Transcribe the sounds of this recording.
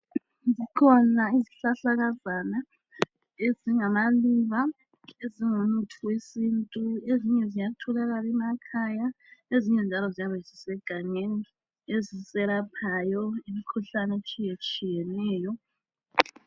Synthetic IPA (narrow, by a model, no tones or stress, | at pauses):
zikʰɔnaiziɬaɬaɣazana | eziŋamaliβa | eziŋonutʰuwesintʼueziɲɛzijatʰulaɣalɛmakʰaja | eziɲɛnd͡ʒʱalɔzijaβɛzisɛɡ̥ʱaŋeni | ezisɛlapʰajɔimikʰuɬanet͡ʃʼijet͡ʃʼijɛnɛːjɔ